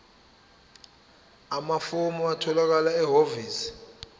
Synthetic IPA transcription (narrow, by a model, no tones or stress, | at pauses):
amafomɔatʰɔlak̬alaɛɦoviːsi̥